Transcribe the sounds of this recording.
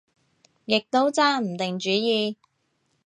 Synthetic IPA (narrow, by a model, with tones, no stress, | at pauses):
jɪ˨k̚t̪o˥wt͡saː˥m̩˨˩t̪ɪ˨ŋt͡ʃyː˨˥jiː˧